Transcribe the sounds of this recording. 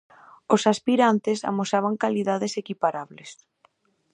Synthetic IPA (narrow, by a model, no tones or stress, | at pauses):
osaspiɾant̪ɪsa̰mosaβ̞aŋkaliðaðesekipaɾaβles